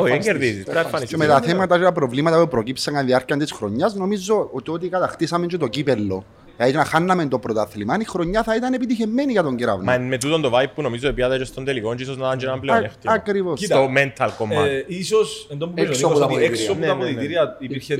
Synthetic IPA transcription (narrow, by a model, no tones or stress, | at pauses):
oeɡeɾðisisɾɐfɐnist͡ʃemet̪ɐθemɐt̪ɐt͡ʃet̪ɐpɾo̞vlimɐt̪ɐpupɾocipseɐnðiɐɾciɐnt̪isxɾoɲːɐzno̞mizo̞ot̪iot̪ikɐt̪ɐxt̪isɐment͡ʃet̪o̞cipelːo̞̰ | ɐtenɐxanːɐment̪o̞pɾot̪ɐθlimɐnixɾo̞ɲːɐθɐit̪ɐne̞pit̪içe̞mːeniʝɐt̪oɲɟeɾɐ̰vnmɐnmet̪ut̪ond̪ovajpːunomizoipiɐt̪ɐt͡ʃest̪ond̪elikont͡ʃisoznat̪ant͡ʃenɐmpleneft̪ɐkɾivosoment̪ʰɐlkomːaisosend̪opuzsot̪ɐeksont̪ɐoðit̪iɾiɐipiɾçe